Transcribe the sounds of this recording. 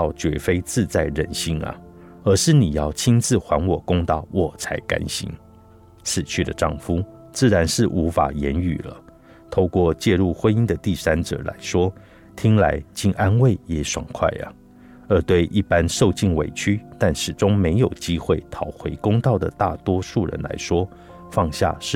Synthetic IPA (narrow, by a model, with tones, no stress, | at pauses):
ɑ˥˩ʊt͡ɕɥɛ˧˥fe˥ɪt͡sɹ̩˥˧t͡sa˥˩ɪɻə˨˩nɕi˧˥ŋɐ̰˨ | ə˞˧˥ʂɻ̩˥˩ni˨˩jɑ˥˩ʊt͡ɕʰi˥nt͡sɹ̩˥˨xwa˧˥nwɔ˨˩kʊ˥ŋt̪ɑ˥˩ʊwɔ˨˩t͡sʰa˧˥ɪka̰˥nɕḭ˧˥ŋ | t͡sʰɹ̩˨˩t͡ɕʰy˥˩d̪ə˨ʈ͡ʂɑ˥˩ŋfu˥ | t͡sɹ̩˥˩ɻa˧˥nʂɻ̩˥˩ʔu˧˥fa̰˨˩jɛ˧˥ny̰˨˩lə̰˦ | t̪ʰo˥˧ʊkwɔ˥˧t͡ɕjɛ˥˧ɻu˥˩xwə˥ni˥nd̪ə˨t̪i˥˩sa˥nʈ͡ʂɤ̰˨˩la̰˧˥ɪʂwɔ˥ | t̪ʰi˥ŋla˧˥ɪt͡ɕi˥nʔa˥nwe˥˩ɪjɛ˧˥ʂwa˨˩ŋkʰwa̰˥˩ɪə̰˩ | ə˞˧˥t̪we˥˧ɪʔi˥˩pa˦nʂo˥˧ʊt͡ɕi˥˩ŋwḛ˨˩ɪt͡ɕʰy˥t̪a˥˩nʂɻ̩˨˩ʈ͡ʂʊ˥ŋme˧˥ɪjo˨˩ʊt͡ɕi˥xwe˥˩ɪt̪ʰɑ˨˩ʊxwe˧˥ɪkʊ˥ŋt̪ɑ˥˩ʊd̪ə̰˩t̪a˥˩t̪wɔ˥ʂu˥˩ɻə̰˧˦nla̰˧˥ɪʂwɔ˥ | fɑ˥˧ŋɕja̰˥˧ʂɻ̩˥˩